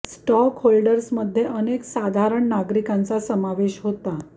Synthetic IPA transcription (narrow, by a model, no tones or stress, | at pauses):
sʈɔkholɖəɾsməd̪ʱːjeʔəneksad̪ʱaɾəɳːaɡɾikãnt͡sasəmaʋeɕɦot̪a